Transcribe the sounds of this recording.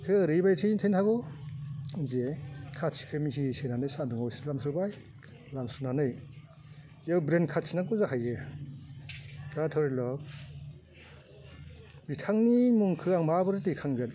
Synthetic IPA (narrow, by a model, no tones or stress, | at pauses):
kʰɯɾibajtʰintʰentʰaɡɔ | zekʰatsʰi̥kʰɯmisisenanɯjsanduŋawsilamsɯbaj | lamsɯnanɯj | jawbɾenkʰatsʰinakuzakʰajɡɯ | katʰɔwɾilɔ | bitʰaŋnimuŋkʰɯaŋmabɯɾɯtikʰaŋɡɯt